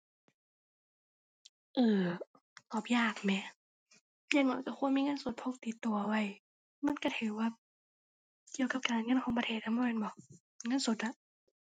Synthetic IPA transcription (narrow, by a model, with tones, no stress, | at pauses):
ʔɤː˨˧˩ | t̪ɔː˨˩p̚jaː˧˩k̚mɛː˧˥ | ja˧˩ŋɔ˧˨˦jka˧˩xu˧˥ə˨nmiː˧˨ŋɤ˧˥˨nso˨˧˦t̪̚pʰo˧˥˩k̚t̪i˨˧˦t̪ːu˨˧˩ɐwa˧˥˩j | ma˧˥˨nka˧˩t̪ʰɯ˨˦waː˧˩ | ki˧˩əwka˨˧˦p̚kaː˨nŋɤ˧˥˨nkʰɔː˨˦ŋp̬a˧eː˧˩t̪̚ʰːa˧˥mbɔ˧˩˨a˧nbɔ˧˦ | ŋɤ˧˥˨nso˨˦t̪̚la˧˦ʔ